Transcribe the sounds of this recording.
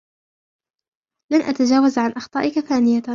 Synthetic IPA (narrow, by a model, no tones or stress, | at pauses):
lanʔat̪ad͡ʒaːwazʕanʔɑxt̪ˤɑːʔɪkaθaːnɪjaa